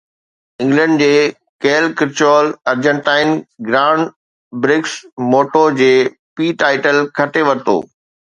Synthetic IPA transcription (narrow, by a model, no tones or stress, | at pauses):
ɪ̃ŋɡlə̃ɳɖ̚d͡ʑeː | keːlkɪɾt͡ɕoːlɐɾd͡ʑə̃ɳʈaːɪnɡɾaːʊɳɖ | bɾɪksmoːʈod͡ʑeː | piːʈaːɪʈəlkʰɐʈeʋɐɾt̪o̰ː